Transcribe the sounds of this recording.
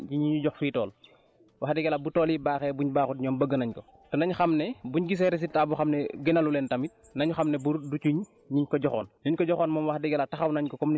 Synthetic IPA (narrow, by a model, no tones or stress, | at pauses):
ɟiɲiɲuɟɔxfitɔːl | wʔaxdɛɡɛlabutɔːlibaːxɛbuɲbaːxut̚ɲɔːmbəɡːənɐɲkɔ | tɔnɐɲxamnɛbuɲɡis̬ɛɾis̬itːabuxamnɛɡenɐlulɛːntɐmit̚ | nɐɲuxamnɛbuɾdut͡ʃuɲ | ɲiɲkɔɟɔxɔ̰ːnniɲkɔɟɔxɔːnmɔːmwaxdɛɡɛlataxɐwnɐɲkɔkɔmn